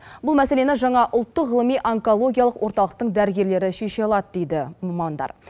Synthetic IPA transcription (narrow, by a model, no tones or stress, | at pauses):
bʊlˠmæse̞le̞nɪʒɑɴɑʔʊlˠt̪ːəʁəlˠəmijʔaŋko̞lˠo̞ɡʲijalˠəqwo̞ɾt̪ɑlˠəq̚t̪əɴd̪æɾɪɡʲe̞ɾle̞ɾɪʃeʃelˠɑd̪əd̪e̞jd̪ɪmɑmɑnd̪ɑ̰ɾ